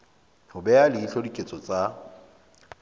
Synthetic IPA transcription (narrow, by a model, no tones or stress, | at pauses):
hʊbɛalɪiɬodikʼet͡sʼɔt͡sʼa